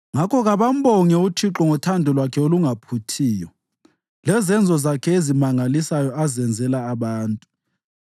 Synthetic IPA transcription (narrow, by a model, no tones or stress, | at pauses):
ŋakʰɔɣaβam̩bɔŋɛutʰiǁɔŋɔtʰandʱɔlwakʰɛoluŋapʰutʰiːjɔ | lɛzɛnd͡zʱɔzakʰɛezimaŋalisajɔazɛnd͡zʱɛlaːβaːntʼu̥